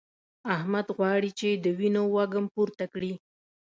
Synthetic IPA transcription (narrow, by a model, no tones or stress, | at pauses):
ahmad̪ɣwɑɽit͡ʃed̪əwinowaɡampuɾt̪akɽi